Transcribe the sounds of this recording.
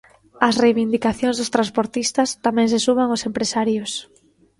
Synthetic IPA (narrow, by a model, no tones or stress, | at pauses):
ɐsrejβind̪ikaθjõŋzðʊst̪ɾãnspoɾt̪ist̪ɐst̪amɛ̃ŋsesuβaŋosempɾesaɾjʊs